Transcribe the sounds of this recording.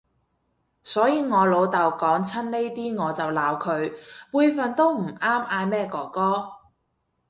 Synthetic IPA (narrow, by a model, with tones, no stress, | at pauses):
sɔː˨˥jiː˨˧ŋɔː˨˧lo˨˧wt̪ɐ˨wkɔː˨˥ŋt͡sʰɐ˥nne˥jt̪iː˥ŋɔː˨˧t͡sɐ˨wlaː˨˧wkʰɵ˨˧ɥpuː˧jfɐ˨nt̪o˥wm̩˨˩ʔaː˥maː˧jmɛː˥kɔː˧kɔː˥